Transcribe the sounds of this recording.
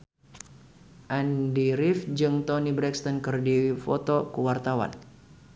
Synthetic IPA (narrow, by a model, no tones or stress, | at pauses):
ʔandiɾifd͡ʒɨŋt̪ɔnibɾɛkst̪ɔnkɨrdifɔ̰t̪ɔkuwart̪awa̰n